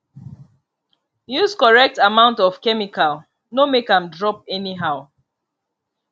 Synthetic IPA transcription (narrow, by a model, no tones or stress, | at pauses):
juskɔɹɛk̚tamãʊ̃ntɔvkɛmikʰal | nomekãmdɹɔpɛniɦaʊ